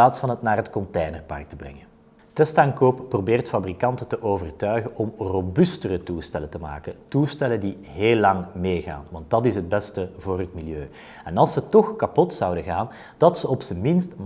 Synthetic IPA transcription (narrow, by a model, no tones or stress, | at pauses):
aːtsfɑnɦətnaːrɦətkɔnteːjnərpɑ̰rk̚təbrɛ̰ŋən | tɛstaŋkoːppːrobeːrtfabrikɑntətəʔoːvərtœɥɣəʔɔmrobystərətulstɛləntəma̰ːkətulstɛləndi | ɦeːlːɑŋmeːɣa̰ːnʋɑnt̚dɑtɪsɦəd̚bɛstəvoːrɦətmiljøː | ɛnɑlˠsətɔxkɑpɔtsɑwdəɣaːn | d̥ɑtsəɔpsənmɪnstm